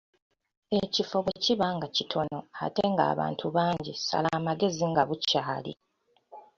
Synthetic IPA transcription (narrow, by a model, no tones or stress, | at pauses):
e̞cifo̞βociβaŋɡacitʰo̞no̞a̰te̞ŋɡa̰ːβa̰ːntʰuβaːɲɟisa̰laːmaɡe̞ziŋɡaβucaːlḭ